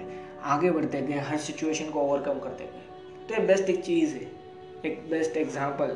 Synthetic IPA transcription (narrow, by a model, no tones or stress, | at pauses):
aːɡebɐɽ̤t̪eɡẽɦɐɾsɪt͡ʃueːʃənkooːʋəɾkɐ̃mkɐɾt̪ḛɡẽ | t̪ojebɛsʈeːk̚t͡ʃiːzɦɛ | eːk̚bɛsʈeɡzãːmpəl